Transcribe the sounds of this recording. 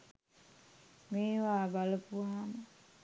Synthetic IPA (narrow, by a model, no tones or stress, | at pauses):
meːʋaːbaləpuʋaamə